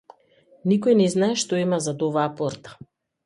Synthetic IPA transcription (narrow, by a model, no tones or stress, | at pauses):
nikɔjnɛznaɛʃt̪ɔimazad̪ɔvaːpɔɾt̪ḁ